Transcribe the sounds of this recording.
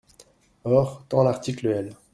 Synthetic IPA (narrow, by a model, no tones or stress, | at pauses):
ɔːʁt̪ɑ̃laʁt̪ikləɛl